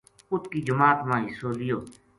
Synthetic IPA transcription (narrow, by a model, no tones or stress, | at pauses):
ʊt̪kiːd͡ʒəmaːt̪mãːɦɪsoːlɪjoː